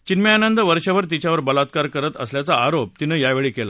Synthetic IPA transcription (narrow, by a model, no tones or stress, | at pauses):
t͡ɕinmjaːnənd̪əʋəɾɕaʋəɾt̪̬it͡ɕjaʋəɾbəlat̪̚kaɾkəɾət̪əsljat͡saaɾop̚t̪inːəːjaʋeɭiːkela̰